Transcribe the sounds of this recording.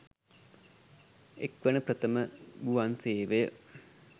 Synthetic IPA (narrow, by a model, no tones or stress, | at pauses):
ekʋəɳəprət̪əməɡuʋanseːʋejə